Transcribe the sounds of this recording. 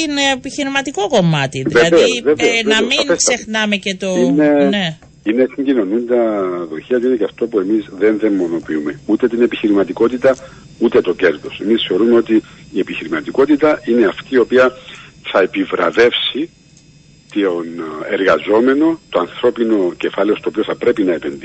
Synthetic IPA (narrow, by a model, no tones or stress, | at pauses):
inepiçiɾimɐt̪ikoko̞mɐt̪iðieɐðveosveveonɐmiŋesksexnɐmecet̪oinene | inest̪iɲɟino̞nund̪ɐðoçiɐt̪uinecɐft̪o̞pue̞mizðe̞nðe̞mːo̞no̞piume̞ut̪e̞t̪ine̞piçiɾimɐt̪iko̞t̪it̪ɐ | ut̪e̞t̪o̞ce̞ɾðo̞se̞misθe̞o̞ɾumeo̞t̪iːe̞piçiɾimɐt̪iko̞t̪it̪ɐʔine̞ɐft̪iːo̞piɐθɐepivɾɐ̰ðe̞fsi | t̪ione̞ɾɣɐzo̞me̞no̞t̪oɐnθɾo̞pino̞ce̞fɐle̞o̞st̪oːpioθɐpɾe̞pinɐe̞penði